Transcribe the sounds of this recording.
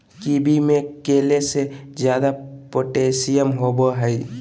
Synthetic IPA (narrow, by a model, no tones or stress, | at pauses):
kibʱimẽkeːlesezjaːd̪apoʈeːsijəmɦoːboɦəi